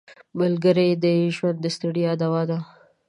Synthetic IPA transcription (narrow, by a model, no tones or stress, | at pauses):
malɡəɾed̪əʒwand̪ːəst̪aɽijad̪awɑd̪a